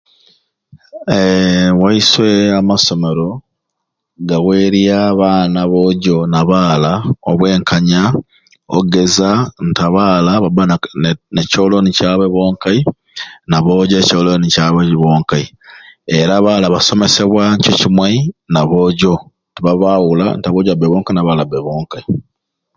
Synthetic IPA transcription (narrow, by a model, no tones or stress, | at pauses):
ewaiswe̞amaso̞me̞ɾo̞ | ɡawe̞ɾiaːβaːnaβoɟo̞naβaːlao̰βwe̞ːŋkaɲa | o̰ɡe̞zantaβaːlaβabaneco̞ːlo̞nicaːβeβo̞ːŋkai | naβo̞ːɟocoːlonicaβeβoːŋkai | eɾaβaːlaβasome̞se̞βwaɲcocimwainaβo̞ːɟo̞ | tiβaβawula̰ntaβoːɟabeβoːŋkainaβalabeβoːŋkai